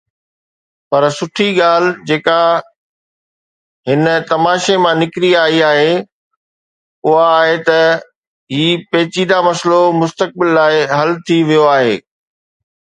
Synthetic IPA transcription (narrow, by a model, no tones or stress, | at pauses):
pɐɾsʊʈʰiɠaːl̤d͡ʑeːka | ɦɪnət̪ɐmaːʃemãnɪkɾiaːiaːɦe | ʊɦaːɦet̪ɐ | ɦiːpeːt͡ɕiːd̪amɐslomʊst̪ək̚bɪlːaːɪɦɐlt̪ʰiʋijoaːɦeː